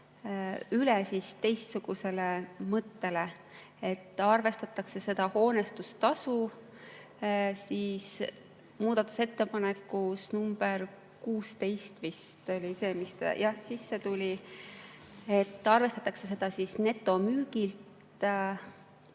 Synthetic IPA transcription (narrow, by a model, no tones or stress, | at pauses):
ylɛsist̪e̞jst̪suɡ̥use̞lemɤt̪ːe̞le̞ | et̪ːˑɑrve̞st̪ɑt̪ːˑɑkse̞se̞d̪̥ɑho̞ːne̞st̪ust̪ɑsu | siːs | muːd̪̥ɑt̪ːˑu̥se̞t̪ːe̞pɑnekːˑusnumb̥er | kuːst̪e̞jst̪vist̪o̞lʲise̞ːmist̪jɑhsisːe̞t̪ulʲi | e̞t̪ːˑɑrve̞st̪ɑt̪ːˑɑkse̞se̞d̪̥ɑsisne̞t̪ˑːo̞myːɡ̥ilt̪